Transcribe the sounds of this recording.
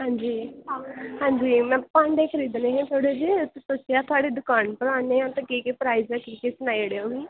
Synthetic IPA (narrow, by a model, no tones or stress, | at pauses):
ɦãːɲd͡ʒiː | hãːɲd͡ʒiːmɛ̃ːpãːɳɖeːkʰəɾiːd̪nẽːɦɛ̃ːt̪ʰoːɽed͡ʒisʊt͡ʃɪjaːt̪ʰʊaːɽeːd̪ʊkaːnpəɾaːneːãːt̪ẽkiːkepɾaːizãkiːkesʊnaːiɽeːõːɡiː